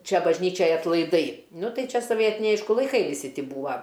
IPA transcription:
ˈt͡ʃʲɛ bɐʒʲˈnʲiːt͡ʃʲɛj ɐtlˠɐɪˈdɐɪ ˈnʊ ˈtɐɪ ˈt͡ʃʲɛ soːˈʋʲiɛtʲɪnʲɛɪ ˈɐɪʃkʊ lˠɐɪˈkɐɪ ʋʲɪˈsʲɪ ˈtʲiː ˈbuːʋɐ

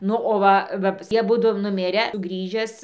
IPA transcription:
ˈnʊ oː ˈʋɐ ʋɐ ˈjiɛ ɐˈbʊdʊ nʊˈmʲɪrʲæː ˈɡrʲiːʒʲæːs

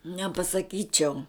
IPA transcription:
nʲɛpɐsɐˈkʲiːt͡ʃʲɛʊ

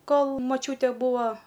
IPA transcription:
ˈkoːlˠ moːˈt͡ʃʲuːtʲɛ ˈbuːoː

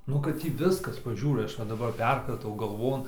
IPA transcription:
ˈnʊ kɐt ˈtʲiː ˈʋʲɪskɐs pɐˈʒʲuːrɐɪ ˈɐʃ ʋɐ dɐˈbɐr ˈpʲɛrkrɐtɐʊ ɡɐlˠˈʋoːn

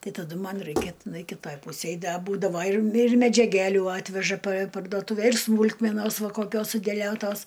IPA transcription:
ˈtɐɪ tɐˈdʊ ˈmɐn ˈrɐɪkʲɛ tʲɪˈnɐɪ kʲɪˈtɐj ˈpuːsʲeːj ˈdɐ ˈbuːdɐʋoː ɪr mʲɪ mʲɛd͡ʒʲɛˈɡʲælʲʊ ˈɑːtʲʋʲɛʒɐ pɐ pɐrdoːˈtuːʋʲɛ ɪr ˈsmuːlˠkmʲɛnoːsˈʋɐ koːˈkʲoːs sʊdʲɛˈlʲoːtoːs

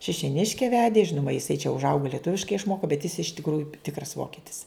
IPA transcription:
ʃʲɪʃʲoːˈnʲɪʃʲkʲɛ ˈʋʲæːdʲeː ˈʒʲɪnʊmɐ jɪˈsɐɪ t͡ʃʲɛ ʊʒˈɐʊɡoː lʲiɛˈtʊʋʲɪʃkɐɪ ɪʃˈmoːkoː bʲɛt jɪs ɪʃ tʲɪkˈruːjʊ ˈtʲɪkrɐs ˈʋoːkʲɪtʲɪs

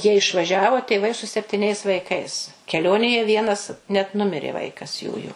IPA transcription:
jiɛ ɪʃʋɐˈʒʲæːʋoː tʲeːˈʋɐɪ sʊ sʲɛpʲtʲɪˈnʲɛɪs ʋɐɪˈkɐɪs kʲɛˈlʲoːnʲeːjɛ ˈʋʲiɛnɐs nʲɛt ˈnʊmʲɪrʲeː ˈʋɐɪkɐs ˈjuːjʊ

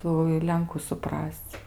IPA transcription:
ˈtuː ɪ ˈlʲɛŋkʊ sʊˈprɐsʲt͡sʲ

